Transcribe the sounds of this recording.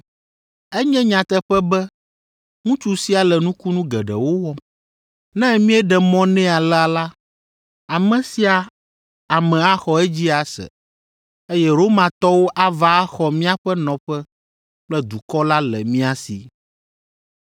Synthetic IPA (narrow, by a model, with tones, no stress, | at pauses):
ɛ˦ɲɛ̃˦ɲã˨t̪ɛ˦ɸɛ˦bɛ˦ | ŋũ˦t͡ʃu˦si˦a˨lɛ˨nũ˦ku˦nũ˦ɡɛ˨ɖɛ̰˨wo˦wɔ˦ | nɛ̃˦mĩ˦ɛ˦ɖɛ˨mɔ̃˦nɛ̃˦a˨lɛ˦a˨la˦ | a˨mɛ̃˨si˦a˨ | a˨mɛ̃˨a˦xɔ˨ɛ˦d͡ʑi˦a˨sɛ̰˨ | e˦jɛ˦ɾo˦mã˨t̪ɔ˦wo˦ʔa˦va˦xɔ˨mĩ˦a˦ɸɛ˦nɔ̃˨ɸɛ˦ | k͡plɛ˦d̪u˨kɔ˦la˦lɛ˨mĩ˦a˨si˨